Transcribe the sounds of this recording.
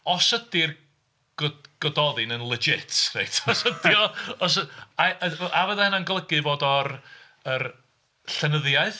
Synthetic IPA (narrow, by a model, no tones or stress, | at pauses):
ɔsədɪr | ɡ̥ɔɡ̥ɔdɔðɨnənlˠɪd͡ʒɪtʰrḛjtʰɔsədiɔɔs̬əaəʔavəðahənanɡlˠəɡɨvoːdɔr | ər | ɬɛnəðjaɨθ